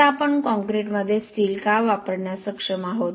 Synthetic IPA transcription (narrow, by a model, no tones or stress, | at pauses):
apəɳkɔ̃ŋkɾeʈməd̪ʱːjesʈiːlkaʋapəɽɳjasəkʂəmaɦot̪